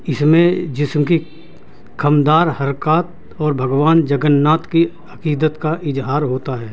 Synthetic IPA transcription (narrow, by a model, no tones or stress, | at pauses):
ɪsmẽd͡ʒɪsmki | kʰɐmd̪aːɾhɐɾkaːt̪ | ɔːɾbʱɐɡwaːnd͡ʒɐɡənːaːt̪ki | ɐkiːd̪ət̪kaʔɪzɦaːɾɦoːt̪aɦɛː